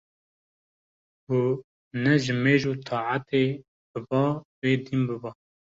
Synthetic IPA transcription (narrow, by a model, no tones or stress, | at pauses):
bu | nɛʒɪmeːʒuːt̪ʰɑːʕat̪eː | b̥ɨbɑːweːd̪imbɨbɑː